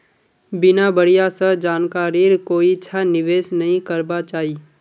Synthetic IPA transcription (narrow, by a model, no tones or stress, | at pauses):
bɪnabəɽijasəd͡ʒaːnkaːɾiɾkoːiɪtːʃʰanɪʋeːsnɐɦĩkɐɾbat͡ʃaːɦiː